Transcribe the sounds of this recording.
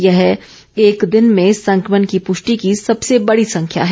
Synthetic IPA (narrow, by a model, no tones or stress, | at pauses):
jɐɦ | eːkd̪ɪnmẽsɐ̃ŋkɾmənkipʊʃʈikisɐbsebɐɽisɐ̃ŋkʰja̰ɦɛː